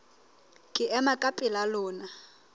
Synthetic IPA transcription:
kʼɪʔɛmakʼapʼɪlalɔːna

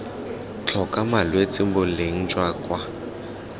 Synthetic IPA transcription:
t͡ɬʰɔkʼamalwet͡sʼɪmbʊleŋ̩t͡ʃʼwaːkʼwa

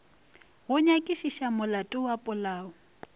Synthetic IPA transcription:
ɣʊɲakʼiʃiʃamʊlatʼʊwapʼʊlaːʊ

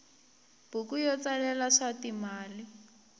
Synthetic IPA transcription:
b̥ukujɔt͡salɛlaʂatimaːli

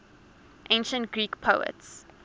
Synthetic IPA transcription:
ʔẽnʃə̃ntɡ̥ɹiːkpʰoʊə̰ts

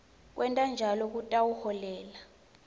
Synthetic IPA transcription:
k̬ʼwʔɛntʼand͡ʒʱalɔk̬utʼawuhɔlɛːla

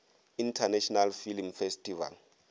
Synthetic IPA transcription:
intʰanɛʃɔnalfilmfɛstʰʼiva̰l

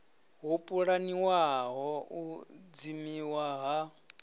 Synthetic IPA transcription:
ɦupʼuɺaniwaɦɔud͡zimiwaɦa

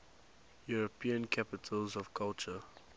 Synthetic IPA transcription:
juɹəpʰĩə̃nkʰapɪtʰəlzɔvkʰalt͡ʃə

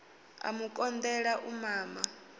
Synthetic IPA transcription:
a̰mukʼɔnd̪ɛɺaʔumaːma

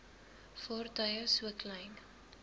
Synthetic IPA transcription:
fɔrtɐjəsuəklɛjn

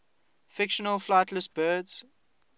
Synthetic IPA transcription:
fɪkʃənəlflaɪtʰləsbɜːdz̥

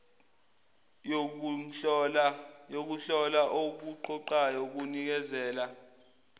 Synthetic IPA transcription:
jok̬uɬɔlaʔok̬uǃɔǃajok̬unik̬ɛzɛːla

